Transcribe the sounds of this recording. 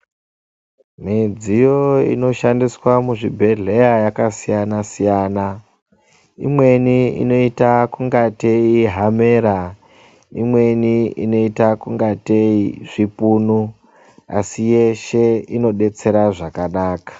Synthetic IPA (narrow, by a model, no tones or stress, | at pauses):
mid͡zijo̞ḭno̞ʃandiswamuʐibʱe̞ɮe̞jajakasijanasijaːna | ḭmwe̞niḭno̞itakuŋɡateiɦame̞ːɾa | imwe̞niḭno̞itakuŋɡateiʐ̥ipuːnu | a̰sijeʃe̞ino̞ɗe̞t͡se̞ɾaʐakanaːkḁ